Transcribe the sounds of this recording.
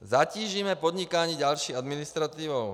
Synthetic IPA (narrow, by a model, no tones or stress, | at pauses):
zaciːʒimɛpɔd̪ɲikaːɲiːɟalʃiːad̪minist̪ɾat̪iːʋɔʊ